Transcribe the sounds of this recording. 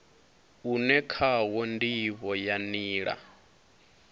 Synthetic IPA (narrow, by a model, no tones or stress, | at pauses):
unɛkʰaɣɔndiβɔjaniːɺa̰